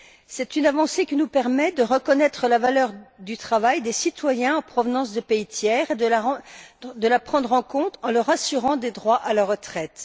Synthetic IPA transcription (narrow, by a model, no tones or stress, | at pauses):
sɛt̪ynavɑ̃sekʲinupɛʁmɛd̪əʁəkɔnɛt̪χəlavalœʁd̪yt̪χavajd̪esit̪wajɛ̃ɑ̃pχɔvnɑ̃sd̪əpeit̪jɛːʁed̪əla | d̪əlapχɑ̃d̪ʁɑ̃kɔ̃t̪ɑ̃lœʁasyʁɑ̃d̪ed̪ʁwaʔalaʁət̪χɛt̪